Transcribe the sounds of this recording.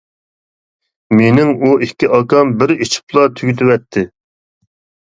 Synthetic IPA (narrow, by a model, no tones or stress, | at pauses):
menɪŋuikʲːiʔɑkɑmbɪɾit͡ʃʰi̥plˠɑt̪ʰyɡʲyt̪ʰɪwɛt̪ʰːɪ